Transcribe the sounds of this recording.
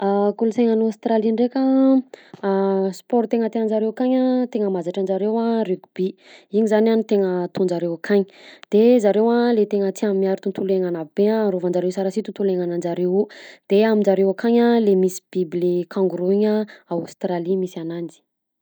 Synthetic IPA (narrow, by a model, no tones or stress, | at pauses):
akuluseŋanast̪ɾaliɳɖ͡ʐekʲə | spɔɾt̪eŋət̪eənd͡ʒaɾewakaɲat̪eŋəmazaʈ͡ʂand͡ʒaɾewarikbiiɲizananit̪eŋət̪und͡ʒaɾewakʰaɲi̥d̪̥ezaɾewalet̪eŋət͡s̪iammiaɾit̪unt̪uleŋanabeãrovand͡ʒaɾewsaɾasit̪unt̪uleŋanand͡ʒaɾewud̪̥eamind͡ʒaɾewakaɲalemisi̥b̥iblekʰãŋɡuɾuiɲaawst̪ɾalimisianand͡zi̥